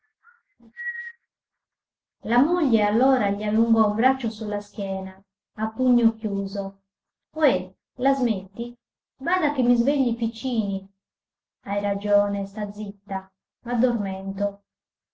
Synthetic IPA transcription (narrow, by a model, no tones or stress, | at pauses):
lamoʎːɛalːɔːɾaʎialːuŋɡɔumbɾat͡ʃːosulːask̟jɛːnaː | pːuɲːokjuːzo | ɔɛ | lazmet̪ːi | vaːd̪akemːizveʎːipit͡ʃːiːni | ajɾad͡ʒɔːnɛst̪ad̪zit̪ːa | mad̪ːormɛnt̪o